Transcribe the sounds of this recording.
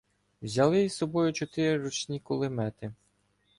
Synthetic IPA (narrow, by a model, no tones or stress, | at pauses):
wzʲɐlˠɪizsɔbɔjʊt͡ʃɔt̪ɪɾɪɾɔt͡ʃnʲikʊlˠɪmɛt̪ɪ